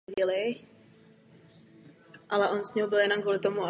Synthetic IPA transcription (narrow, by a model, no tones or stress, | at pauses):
ɟɪlɪ | ʔalɛʔonzɲɛɦobɪljɛnomkuːlɪt̪omua